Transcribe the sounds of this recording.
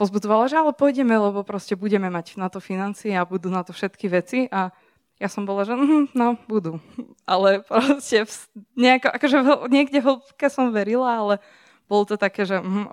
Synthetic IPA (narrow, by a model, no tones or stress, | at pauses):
pɔzbud͡zɔʋalaʒɛalɛpɔjɟɛmɛlɛbɔpɾɔscɛbuɟɛmɛmacnat̪ɔfinant͡siɛabud̪uːnat̪ɔfʃɛt̪kiʋɛt͡siʔa | jasɔmbɔlaʒɛm̩ɦm̩nɔbud̪u | ʔalɛpɾɔscɛfsɲɛakɔʔakɔʒɛɦɲɪɛɡɟɛɦlpkɛsɔmʋɛɾilaalɛ | b̥ɔlɔt̪ɔt̪akɛːʒɛɦ̩